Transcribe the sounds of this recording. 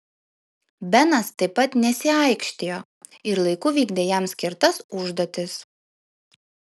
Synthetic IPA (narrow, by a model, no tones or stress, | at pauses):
bʲɛnɐst̪ɐɪpːɐt̪nʲɛsʲɪɐˑɪkʃʲt̪ʲeːjoː | ɪɾlˠɐɪkʊʋʲiːɡd̪ʲejɛmsʲkʲɪɾt̪ɐsʊʒd̪oːt̪ʲɪs